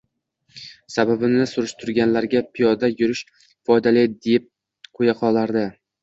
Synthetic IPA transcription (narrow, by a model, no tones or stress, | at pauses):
sababɪnɪsʊɾɪʃt̪ʰʊɾɡʲanlaɾɡʲapʰijɒd̪ajʊɾɪʃ | fɒjd̪alɪd̪ep̚ | qʰojaqʰɒlˠaɾd̪ɪ